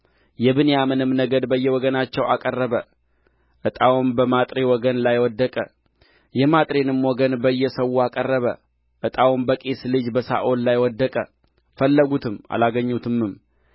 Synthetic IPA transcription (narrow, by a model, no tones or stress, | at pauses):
jɛβɨnejamɨnɨmnəɡəd̪bəjːɛwɔɡənat͡ʃːɛwa̰kʼərːəβə | ʔɨt̪ʼawumbəmat̪ʼɾewɔɡənlajwɔd̪ːəkʼə | jɛmat̪ʼɾenɨmwɔɡənbəjːɛsəwːuakʼərːəβə | ʔɨt̪ʼawumbəkʼeslɨd͡ʒbəsa̰ʔollajwɔd̪ːəkʼə̰ | fəlːəɡut̪ʰɨma̰laɡəɲːut̪ʰɨmːɨm